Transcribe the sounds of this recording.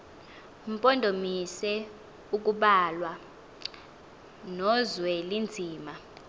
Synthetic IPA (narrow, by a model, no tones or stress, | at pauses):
m̩pʼɔndʱomisɛ | uk̬ʼuɓalwa | nɔzwɛlind͡zʱiːma